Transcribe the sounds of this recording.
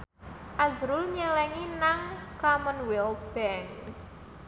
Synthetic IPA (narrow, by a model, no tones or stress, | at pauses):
ʔazɾʊlɲəlɛŋinaŋkamənwɛlb̥ɛn